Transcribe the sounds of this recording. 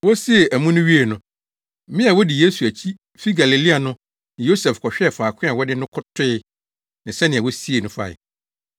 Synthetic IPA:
wɔ˦si˦e˨ʔæ˨mũ˦nʊ̃˦ɥi˦e˦˨nʊ̃˨ | mɪ̃˦a˨wɔ˦di˨je˦su˨æ˨t͡ɕʰi˦ | fi˦ɡa˨li˨li˦a˨nʊ̃˦ | nɪ̃˨jo˦sɛ˨fkʰɔ˨ɕᶣɛ˦˨fa˨kʰɪ̃˦a˨wɔ˦dɪ˦nʊ̃˦kʰʊ˦tʰɪ˦ɪ˦ | nɪ̃˨sɛ˦nɪ̃˨a˨wɔ˦si˦e˨nʊ̃˦fa̰˨ɪ̰˨

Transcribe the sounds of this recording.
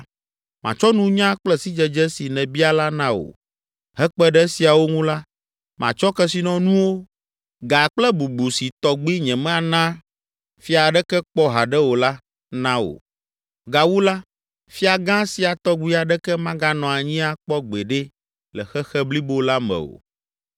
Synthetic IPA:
mã˨t͡ʃɔ˦nũ˦ɲã˦k͡plɛ˦si˦d͡ʒɛ˨d͡ʒɛ˦si˨nɛ̃˨bi˦a˨la˦nã˦o̰˨ | ɦɛ˦k͡pɛ˦ɖɛ˦si˨a˨wo˦ŋũ˦la˦ | mã̰˨t͡ʃɔ˦kɛ˦si˨nɔ̃˨nũ˦wo˦ | ɡa˨k͡plɛ˦bu˨ɡ͡bu˨si˨t̪ɔ˨ɡ͡bi˦ɲɛ̃˨mɛ̃˦a˨nã˦ | fi˦a˨ɖɛ˦kɛ˦k͡pɔ˦ɦa˨ɖɛ˦wo˨la˦ | nã˦wo̰˨ | ɡa˨wu˦la˦ | fi˦a˨ɡã˦si˨a˨t̪ɔ˦ɡ͡bi˦a˨ɖɛ˦kɛ˦mã˦ɡa˦nɔ̃˨a˨ɲĩ˦a˨k͡pɔ˦ɡ͡be˨ɖɛ˦ | lɛ˨xɛ˦xɛ˦bli˦bo˦la˦mɛ̰̃˨o̰˨

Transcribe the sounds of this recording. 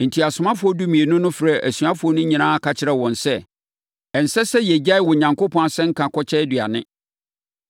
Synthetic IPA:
n̩˨tʰi˨a˨sʊ˨mã˦fʊ˦ɔ˦du˦mĩ˨e˨nʊ̃˦nʊ̃˦fɾɛ˦˨ʔæ˨sɥa˦fʊ˨˦ɔ˦nʊ̃˦ɲĩ˨nãː˦a˦˨kʰa˨t͡ɕʰɪ˨ɾɛ˨wɔ̃˨nsɛ˦˨ | ɛ˨n̩˨sɛ˦sɛ˦jɛ˨d͡ʑa˦ɪ˦wɔ˨ɲã˨ŋko˦pʰɔ̃˦a˨sɛ̃˦ŋ̩˦kʰã˨kʰɔ˦t͡ɕʰɛ˦dɥa̰˨nɪ̃˦

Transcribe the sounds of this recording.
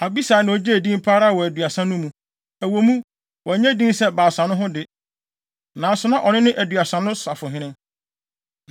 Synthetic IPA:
a˨bi˦saː˨nã˨ɔ˨d͡ʑɛ˦æ˨dĩ˦mpʰa˦ɾa˦˨wɔ˨æ˨dɥa˨sã˦nʊ̃˦mũ˨ | æ˨wo˨mũ˦ | wɔ˨æ˨ɲæ̃˦dĩ˦nsɛ˦baː˨sã˨nʊ̃˦ɦʊ̃˦dɪ˦ | nã˨sʊ˦nã˦ʔɔ˨nɪ̃˦nɪ̃˦ʔæ˨dɥa˨sã˨nʊ̃˦sa˨fʊ˨ɦɪ̃˦nɪ̃˦ŋ

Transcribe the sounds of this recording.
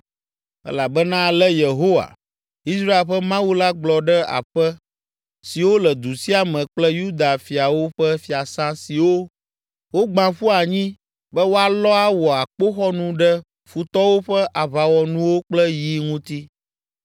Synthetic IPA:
ɛ̰˦la˨bɛ˦nã˦lɛ˦je˨ɦo˦wa̰˨ | i˦sɾa˦e˨lɸɛ˦mã˦wu˦la˦ɡ͡blɔ˨ɖɛ˦a̰˨ɸɛ˦ | si˨wo˦lɛ˨d̪u˨si˦a˨mɛ̃˨k͡plɛ˦ju˦d̪a˨fi˨a˨wo˦ɸɛ˦fi˨a˨sã˦si˨wo˦ | wo˦ɡ͡bã˨ɸu˦a˨ɲĩ˦ | bɛ˦wo˦a˨lɔ˦a˦wɔ˨a˨k͡po˦xɔ˦nũ˦ɖɛ˦ | fu˨t̪ɔ˦wo˦ɸɛ˦ʔa˨βa˨wɔ˨nũ˦wo˦k͡plɛ˦ji˦ŋũ˦t̪i˦

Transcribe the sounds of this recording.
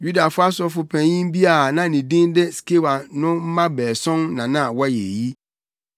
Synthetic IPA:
ju˦da˨fʊ˦a˦sɔ˦fʊ˨pʰæ̃˨jĩ˦m˦bi˦a˨nã˦nĩ˨dĩ˦ndɪ˦ske˦wa˨nʊ̃˦m̩˦mã˦bɛː˨sɔ̃˦nːã˨nã˦˨wɔ˦je˨ji˦

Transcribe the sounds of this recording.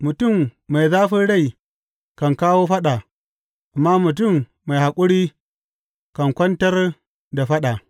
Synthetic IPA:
mu˨tu˦˨mːa˨jzaː˦ɸi˦ɽa˦˨i˨ | ka˨ŋkaː˦woː˦ɸa˦ɗa˨ | ʔa˨mːa˦mu˨t̬u˦˨mː | a˨jha˨kʼu˦ɽi˦ | ka˨ŋkʷɐ˦ntɐ˦ɾ | da˨ɸa˦ɗa˨

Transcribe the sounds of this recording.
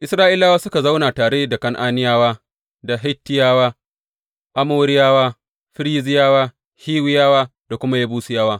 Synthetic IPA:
ʔɪ˨sɾaː˦ʔɪ˦laː˦waː˦sʊ˦ka˨za˦wna˨taː˨ɽeː˦da˨kɐ˦ŋʔaː˦nɪ˦jaː˦waː˦ | da˨ɦɪ˦tːɪ˦jaː˦waː˦ | ʔa˦moː˦ɾɪ˦jaː˦waː˦ | ɸɪ˦ɾiː˦zɪ˦jaː˦waː˦ | hiː˦wɪ˦jaː˦waː˦da˨kʷʊ˦ma˦ja˦buː˦su˨jɐ˦waː˦

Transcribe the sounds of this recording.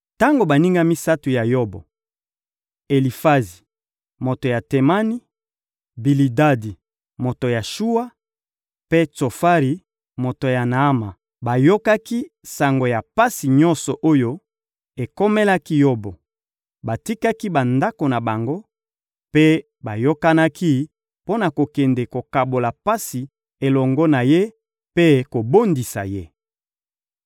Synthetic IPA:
ta˦ŋɡo˨ba˨ni˦ŋɡa˦mi˦sa˦tu˨ja˨jo˦bo̰˨ | e˨li˨fa˦zi˨ | mo˨to˨ja˨te˨ma˦ni˦ | bi˨li˨da˦di˨ | mo˨to˨ja˨ʃu˦wa˦ | pe˦t͡so˨fa˦ʁi˨ | mo˨to˨ja˨na˨a˦ma˨ | ba˨jo˦ka˦ki˦ | sa˨ŋɡo˨ja˨pa˦si˨ɲɔ˦nsɔ˨ʔo˦jo˦ | e˨ko˦me˦la˦ki˦jo˦bɔ˨ | ba˨ti˦ka˦ki˦ba˨nda˦ko˨na˨ba˨ŋɡo˦ | pe˦ | ba˨jo˦ka˦na˦ki˦ | po˦na˨ko˨kɛ˨nde˨ko˨ka˨bo˨la˨pa˦si˨ | e˨lɔ˨ŋɡɔ˦na˨je˦ | pe˦ko˨bo˦ndi˨sa̰˨je˦

